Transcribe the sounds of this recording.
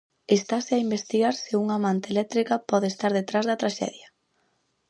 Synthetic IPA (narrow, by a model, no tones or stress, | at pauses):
est̪asɪaimbest̪iɣaɾsɪuŋamant̪elɛk̚t̪ɾikɐpɔð̞eːst̪aɾðet̪ɾazðɐt̪ɾaʃɛ̰ðjɐ